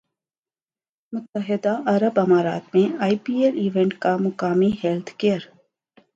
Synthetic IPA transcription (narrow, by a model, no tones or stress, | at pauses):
mʊt̪ːəɦɪd̪aʔɐɾəbɐmaːɾa̰ːt̪mẽaːipiːeːɾiːʋẽɳʈkamʊkaːmiɦeːlt̪ʰkeːəɾ